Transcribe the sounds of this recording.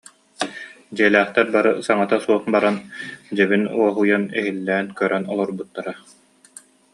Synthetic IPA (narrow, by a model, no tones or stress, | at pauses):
d͡ʑiɛlæːχt̪ɛɾbaɾɯsaŋat̪asuɔχbaɾand͡ʑɛβinuɔɦujanɛɦilːɛːnkœɾʔɛnɔlˠɔɾbut̪ːaɾa